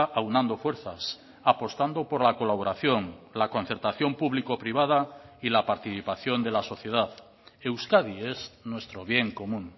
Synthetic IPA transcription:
ʔawnãnd̪o̞fwe̞ɾθas | apo̞st̪and̪opo̞ɾlako̞laβo̞ɾaθjo̞ŋlako̞nθeɾt̪aθjo̞mpuβlikopɾiβað̞ailapaɾt̪iθipaθjond̪e̞laso̞θje̞ðað | e̞wskaðieznwe̞st̪ɾo̞β̞je̞ŋko̞mũŋ

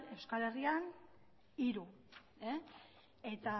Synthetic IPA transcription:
e̞wskale̞rian | iɾu | e | e̞t̪a

